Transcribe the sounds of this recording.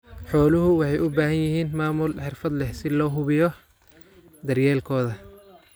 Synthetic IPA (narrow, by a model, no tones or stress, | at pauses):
ħɔːlʊɦʊwɑħɑjʊbaːhɐnjɪhiːnmaːmʊlħɪrfɐd̪lɛhsɪlɔːɦʊβɪjɔ | d̪ɐrjɛːlkʰɔːðɐ